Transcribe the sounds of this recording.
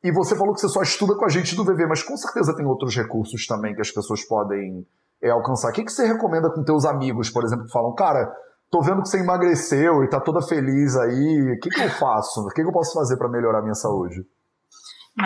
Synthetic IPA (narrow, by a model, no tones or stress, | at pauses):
ɪvosefalokɪsesɔiʃt̪ud̪ɐkõaʒẽnt͡ʃɪnd̪ʊ̃vevemɐskõw̃seɾt̪ezɐt̪ẽj̃owt̪ɾʊshekuɾsʊst̪ɐ̃mbẽj̃kɪɐspesoɐspɔd̪ẽj̃ | ɛawkɐ̃saɾkɪkɪ̥seɦekomẽnd̪ɐkõt̪ewzamiɡʊspoɾezẽp̬lʊkɪfalɐ̃w̃kaɾɐ | t̪ovẽnd̪ʊkɪ̥seimaɡɾesewɪt̪at̪od̪ɐfelizaikɪkɪewfasʊkɪkewpɔsʊ̥fazeɾpɾɐmeloɾaɐmĩɲɐsaud͡ʒɪ